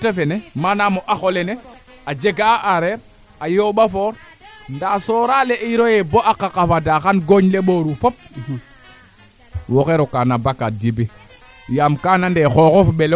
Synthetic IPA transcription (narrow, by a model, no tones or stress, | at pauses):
tafenemanamoʔaxolene | ad͡ʒeɡaʔaɾeɾ | ajoɓafoːɾ | ndasoːɾaleʔiɾojeboʔakakafadaxanɡoɲleɓoɾufop̚ | woxeɾokanabakat̚dibi | jamkanandexokofɓel